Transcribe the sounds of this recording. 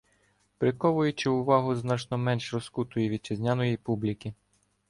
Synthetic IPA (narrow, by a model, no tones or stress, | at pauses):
pɾɪkɔʋʊjʊt͡ʃɪʊʋɑɦʊznɑt͡ʃnɔmɛnʃrɔskut̪ɔjiʋʲid̪̚t͡ʃɪzʲnʲanɔjijpublʲikʲi